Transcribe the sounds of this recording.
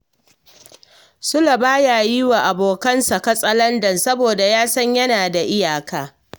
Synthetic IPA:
sʊ˦la˨baː˦jaː˨jɪ˦wa˨ʔa˨boː˨kɐ˦nsɐ˨kɐ˦sʼɐ˦lɐ˦ndɐ˨nsɐ˦boː˨da˨jaː˦sɐ˦ɲjɐ˦naː˨da˨ʔɪ˦jaː˨kaː˦

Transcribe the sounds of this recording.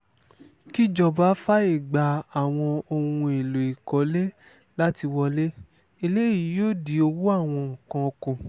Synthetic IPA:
ki˦˨d͡ʒɔ˧˨ba˨˦fa˦i˦˨ɡ͡ba˨a˨w̃ɔ̃˧o˧hũ˧e˨lo˨i˨kɔ˨˦le˦ | la˦ti˧wɔ˧le˦ | i˧le˦i˦˨i˨˦joː˦˨di˨˦o˧wu˦a˦˨w̃ɔ̃˧˨kã˧o˧kũ˨

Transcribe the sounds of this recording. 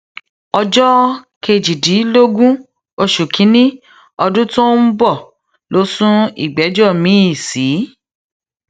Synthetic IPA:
ɔ˧d͡ʒɔ˦ke˧d͡ʒi˨di˨˦lo˦ɡũ˦ | o˧ʃu˨kʰĩ˨˦nĩ˦ | ɔ˧dũ˦tõ˦m̩˦bɔ˦˨ | lo˨˦sũ˦ḭ˦˨ɡ͡bɛ˨˦d͡ʒɔ˦˨mĩ˨˦i˦˨si˨˦

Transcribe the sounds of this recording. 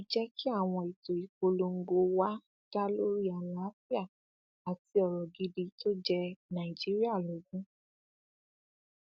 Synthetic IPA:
o˨d͡ʒɛ˦ki˦a˦˨w̃ɔ̃˧i˨to˨i˨ko˧lo˧ŋ̩˦ɡ͡bo˧wa˦ | ɡ̥a˦lo˦ɾi˦a˨la˦fi˦a˦˨ | a˨ti˧ɔ˨ɾɔ˨ɡi˨˧di˧to˦d͡ʒɛ˧nã˨i˨d͡ʒi˦ɾi˦a˦˨lo˨˦ɡũ˦

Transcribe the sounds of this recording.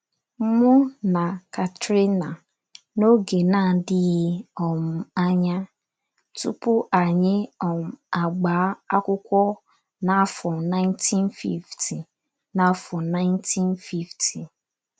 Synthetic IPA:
mʊ˦na˨ka˨tɾe˦na˨ | no˦ɡe˨na˦˨dɪ˦ɣɪ˦ɔ˨m̩˨a˦ɲa˦ | tṵ˦pʊ˦ʔa˨ɲɪ˦ɔ˨m̩˨a˨ɡ͡baː˨˦a˦kʷʊ˦kʷɔ˦ | na˦fɔ˨na˦ɪ˦ntʰi˦n˦fḭ˦ftʰi˨ | na˨˦fɔ˨na˦ɪ˦ntʰi˦n˦fi˦ftʰi˨

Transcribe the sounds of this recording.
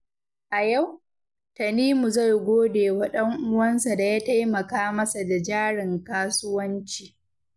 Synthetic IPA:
ʔa˨ja˦˨w | tɐ˨niː˦mu˨za˦˨jɡʷoː˦deː˨wa˨ɗɐ˦ŋʔʊ˦wɐ˦nsa˨da˨jaː˦ta˦jmɐ˨kaː˦mɐ˦sa˨da˨d͡ʒaː˦ɽɪ˨ŋkaː˦sʊ˦wɐ˦nt͡ʃiː˨

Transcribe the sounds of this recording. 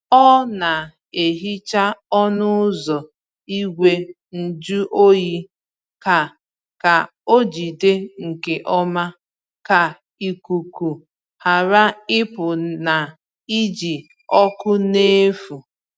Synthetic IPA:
ɔ˦na˨ | e˨ɦi˦t͡ʃa˦ɔ˦nʊ˦zɔ˨ | i˦ɡʷe˦ | n̩˨d͡ʒu˦ʔo˦ji˦ | ka˨ | ka˨ | o˦d͡ʒi˨de˦ŋ̩˨ke˨ʔɔ˦ma˦ | ka˨ | i˨ku˨ku˨ | ha˨ɾa˦ɪ˦pʊ˨na˨ | i˦d͡ʒi˨ | ɔ˦kʊ˦ne˦fu˨

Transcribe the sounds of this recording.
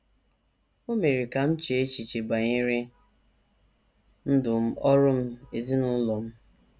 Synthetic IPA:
o˦me˨ɾi˨ka˨m̩˦t͡ʃe˨e˦t͡ʃi˨t͡ʃe˨ɡ͡ba˨ɲɪ˦ɾɪ˦ | n̩˦dʊ˨m̩˦ɔ˦ɾʊ˦m̩˦e˨zi˦nʊ˦lɔ˨m̩˦

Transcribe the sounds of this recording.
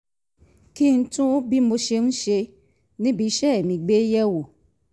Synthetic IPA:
ki˦˧n̩˦tũ˦bi˦mo˧ʃe˧n̩˦ʃe˧ | nĩ˦bi˨˦ʃɛ˦e˨mĩ˨ɡ͡be˨˦jɛ˦wo˨

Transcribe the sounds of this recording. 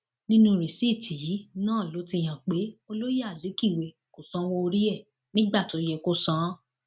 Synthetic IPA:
nĩ˦nũ˦ɾi˨si˦˨tʰi˨ji˨˦nãː˦˨lo˨˦ti˧j̃ã˨k͡pe˨˦o˧lo˦ja˦˨zi˨˦ki˦˨we˨ | ko˨sã˨˦wɔ˧o˧ɾi˦ɛ˦˨ | nĩ˦ɡ͡ba˦˨to˨˦jɛ˧ko˦sã˦

